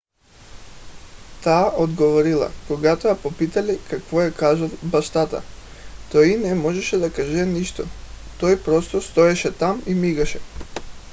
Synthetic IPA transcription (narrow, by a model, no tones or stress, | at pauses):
t̪aːʔod̪ɡɔvɔɾilˠa̰koɡat̪ojapopit̪alikakvɔɛkaʒalbaʃt̪at̪a̰ | t̪ɔinɛmɔʒɛʃɛd̪akaʒɛniʃt̪ɔ | t̪ɔjpɾɔst̪ɔst̪ɔɛʃɛt̪amimiɡaʃɛ